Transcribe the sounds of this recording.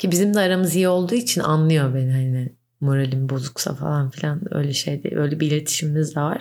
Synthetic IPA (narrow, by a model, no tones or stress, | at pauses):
cʰibizimd̪ɛaɾamɯzijio̞lˠd̪uːit͡ʃʰina̰nlˠɯjo̞beniɦanɪ | mo̞ɾalʲimbo̞zuksa̰fa̰lˠanfilʲanø̰jlʲɛʃe̞jd̪ɪ̰bø̞jlʲɛbiilʲet̪ʰi̥ʃimimizd̪ɛvaɾ̥